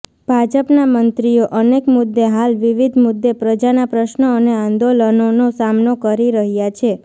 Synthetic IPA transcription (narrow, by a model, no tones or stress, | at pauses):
b̥ʱad͡ʒəpnamənt̪ɾijoʔənekmʊd̪ːeɦalʋiʋid̪ʱmʊd̪ːepɾəd͡ʒanapɾəʃnəəneãnd̪olənonosamnokəɾiɾəɦjat͡ʃʰe